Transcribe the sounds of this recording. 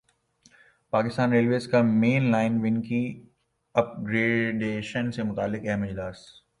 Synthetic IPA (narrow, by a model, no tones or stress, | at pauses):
paːkɪst̪aːnɾeːlʋeːzkameːnlaːɪnʋɪ̃nki | ɐp̚ɡɾeːɖeːʃənsemʊt̪aːlːɪkɛɦmɪd͡ʒlaːs